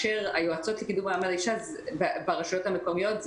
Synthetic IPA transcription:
ʃeʁajoat͡so̞tlekidumaːmalaiʃaz | bbaʁaʃajo̞thamekomijo̞t

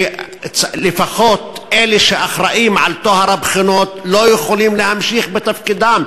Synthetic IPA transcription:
t͡slɪfaxoːt̪ʔeːleʃeʔaxɾaʔiːmʕalt̪ohaɾˤabxɪnoːt̪lojexoliːmlehamʃiːxbɪt̪afkid̪am

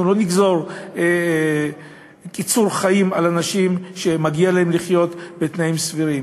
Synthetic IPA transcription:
ulo̞niɡzo̞ʁe | kit͡suʁχajimalanaʃimʃe̞maɡialaemliχjo̞t̪bet̪naimsviʁim

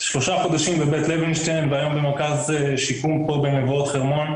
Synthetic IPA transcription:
ʃloʃaχod̪aʃimbebet̪levinʃtenveajombemeʁkazeʃikumpobenevotχeʁmon

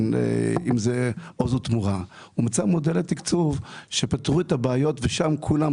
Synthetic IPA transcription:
n̰imzeozut̪muʁa | umat͡samod̪elat̪ikt͡suvʃepat̪ʁuet̪abeajot̪veʃamkʰulam

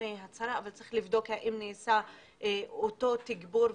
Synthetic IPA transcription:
eɦat͡saɾaːvalt͡sɐʁiχlivd̪o̞kaʔimneːsa | oto̞t̪iɡbuɾ

